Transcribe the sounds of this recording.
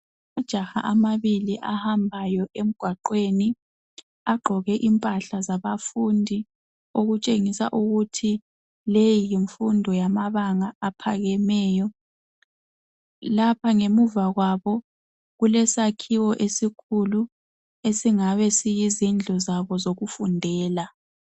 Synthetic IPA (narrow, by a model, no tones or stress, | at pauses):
ud̥ʒ̥ʱaxa̰ʔamaβiliʔahambʱajɔʔem̩ɡ̥ʱwaǃweni | aɡ͡ǃʱɔɣɛʔimpʼaɬazaβafundʱi | oɣut͡ʃʼeŋisa̰ʔuɣutʰi | lejijiɱfundʱɔjamaβaŋaːpʰaɣɛmɛːjɔ | lapʰaŋemuvaɣwaβɔ | ɣulɛsakʰiwɔʔesikʰulu | esiŋaβɛsijizind͡ɮʱɔzaβɔzoɣufundʱɛːla